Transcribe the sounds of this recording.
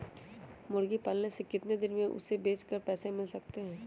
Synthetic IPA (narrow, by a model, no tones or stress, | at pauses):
mʊɾɡipaːlnesekɪt̪ned̪ɪnmẽʔʊ̰sːebeːt͡ʃkəɾpɛːsemɪlsɐk̚t̪eɦɛ̃ː